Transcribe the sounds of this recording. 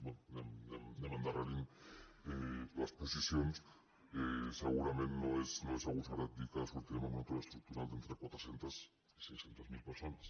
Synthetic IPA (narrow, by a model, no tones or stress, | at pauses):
benneed̪emãnd̪aɾalinelasposisjons | eseɣuɾamẽnt̪noesnoesaɣusaɾad̪ikaðasuɾt̪iɾemoment̪oðest̪ɾuk̚t̪uɾald̪ent̪ɾekwat̪ɾoθje̞nt̪as | isejsθje̞nt̪azmilpeɾso̞nas